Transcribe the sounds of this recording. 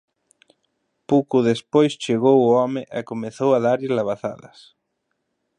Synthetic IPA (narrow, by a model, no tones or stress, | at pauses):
powkʊðespojst͡ʃeɣowʊɔmɪʔakomeθowaðaɾilaβ̞aθa̰ðɐ̰s